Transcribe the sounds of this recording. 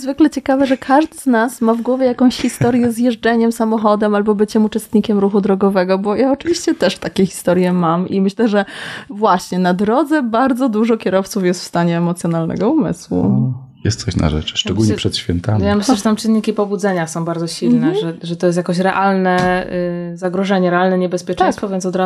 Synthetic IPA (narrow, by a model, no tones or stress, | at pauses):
zvɘklɛt͡ɕɛkavɛʐɛkʰaʐd̪ɘznasmavɡwɔvʲjɛjakɔ̃w̃ɕxʲist̪ɔɾjɛzjɛʐd͡ʐɛɲɛmsamɔxɔd̪ɛmalbɔbɘt͡ɕɛmut͡ʂɛst̪ɲikʲɛmɾuxud̪ɾɔɡɔvɛɡɔbɔjaɔt͡ʂɨvʲiɕt͡ɕɛt̪ɛʂt̪akʲɛxʲi̥st̪ɔɾjɛmamimɘɕlɛʐɛvwaɕɲɛnad̪ɾɔd̪zɛbaɾd̪zɔd̪uʐɔkʲjɛɾɔft̪sufjɛst̪fst̪aɲɛːmɔt̪sʲjɔnalnɛ̰ɡɔumɘ̰swṵ | jɛ̰st̪sɔɕna̰ʐɛ̰t͡ʂʂt͡ʂɛɡulɲɛpʂɛt̪ɕfʲɛnt̪amjamɘɕlɛʐɛt̪amt͡ʂɨnːikʲipɔbud̪zɛɲasɔ̃w̃baɾd̪ɔɕilnɛʐɛʐɛt̪ɔjɛst̪jakɔ̃ɕ̬ɾɛʔalnɛ | zaɡɾɔʐɛɲɛɾɛalnɛɲɛbɛspʲjɛt͡ʂɛ̃jst̪fɔvjɛnt̪ɔd̪ɾa